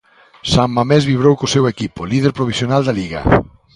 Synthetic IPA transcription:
saŋmamɛzβiβ̞ɾowkosewekipolið̞eɾpɾoβisjonald̪aliɣɐ̰

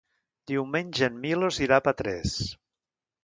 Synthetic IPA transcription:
d̪̥iwmenʲʒenmiloziɾapat̪ɾɛs

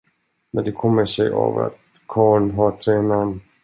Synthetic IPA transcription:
mɛnd̪ɛkʰɔmːəʂɛja̰va̰t̪ | kʰɑːɳɦɑt̪ʰɾɛːnan

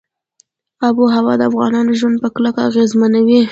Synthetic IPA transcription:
ɑbuɦawɑd̪əafɣɑ̰nɑnoʒwand̪̚pəklakaːɣezmanawi

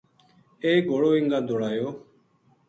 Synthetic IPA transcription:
eːɡoːɽoːɪŋɡãːd̪oːɽaːjoː

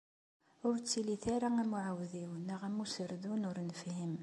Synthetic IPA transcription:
ʊɾt͡sːiliθaɾaæmuʕawðiwənæʁæmusəɾðunʊɾnəfhim

